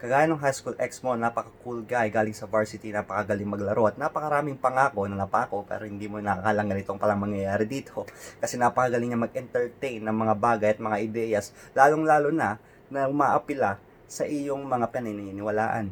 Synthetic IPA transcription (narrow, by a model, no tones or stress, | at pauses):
kɐɡaːjɐnɐŋɦajskulʔɛksmonapɐkɐkulɡajɡaːlɪŋsɐvaɹsɪt̪inapɐkɐɡɐlɪŋmɐɡlɐɾʔo̞ʔɐt̪̚napɐkɐɾaːmɪŋpɐŋaːko̞nɐnɐpɐaːko̞pɛ̰ːɾo̞hɪnd̪iːmonɐkɐkalɐŋɡɐnɪt̪oŋpɐlɐŋmɐŋjɐjaːɾɪd̪iːt̪ʰokɐsɛnapɐkɐɡɐlɪŋɲɐmɐɡ̚ʔɛnt̪ɛɹt̪ejnːɐŋmɐŋabaːɡɐjɐt̪̚mɐŋaʔɪd̪ɛjɐs | laːloŋlaːlonɐ | nɐʊmaʔɐpɪla | sɐʔɪjo̞ŋmɐŋapɪɐnajnɐnɪnɪwɐla̰ːʔɐ̰n